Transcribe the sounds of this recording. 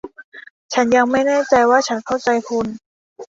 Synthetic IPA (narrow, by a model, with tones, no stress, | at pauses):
t͡ɕʰa˦˥nja˧ŋma˥˩jnɛː˥˩t͡ɕa˧jwaː˥˩t͡ɕʰa˦˥nkʰa˥˩wt͡ɕa˧jkʰu˧n